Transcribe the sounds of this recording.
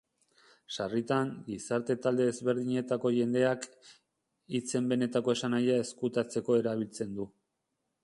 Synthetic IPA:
ʃarit̪aŋɡisaɾt̪e̞t̪ald̪e̞ezβe̞ɾð̞iɲe̞t̪ako̞ʝe̞nd̪e̞ak | it͡se̞mbe̞ne̞t̪ako̞e̞sanajae̞skut̪at͡se̞ko̞e̞ɾaβ̞ilt͡se̞nd̪u

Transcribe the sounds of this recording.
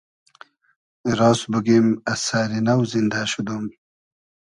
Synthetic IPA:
ɾɑːsbuɡimasaːɾinawzind̪aɕud̪um

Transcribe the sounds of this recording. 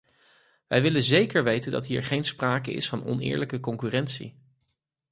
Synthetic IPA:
ʋɛjʋɪlənzejkəɹʋejtəndɑ̰tɦiːɹχejnspraːkəɪ̰sfɑnɔ̰nɪ̰ːɹləkəkɔŋkyːrɛntsḭ

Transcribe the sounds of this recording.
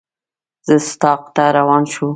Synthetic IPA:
z̥əst̪ɑq̚t̪aɾawɑnʃu

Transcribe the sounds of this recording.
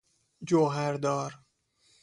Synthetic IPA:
d͡ʒoɦæɾd̪ɒːɾ

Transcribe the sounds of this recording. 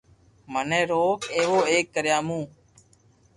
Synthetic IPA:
mənẽːɾoːkʰeːʋoːeːkːəɾjaːmũː

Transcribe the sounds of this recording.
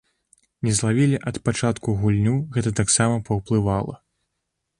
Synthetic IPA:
nʲɛzlˠavʲilʲiʔɐt̪pat͡ʂat̪kuɣulʲnʲuɣɛt̪ɐt̪aksamɐpɐwplˠɨvalˠɐ̰

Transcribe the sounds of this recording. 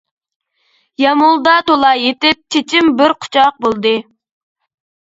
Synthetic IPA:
jɑmulˠd̪ɑt̪olˠɑjet̪ɪp̚t͡ʃʰet͡ʃʰimbɪɾqʰʊ̥t͡ʃʰɑq̚bolˠd̪ɨ

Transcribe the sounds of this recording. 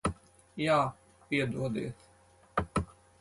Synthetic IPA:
jaː | piɛd̪uɔd̪ḭːs

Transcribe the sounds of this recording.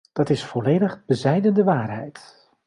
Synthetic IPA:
d̥ɑtɪsfɔleːjdəχbəzɛjdəndəʋaːrɦɛjt

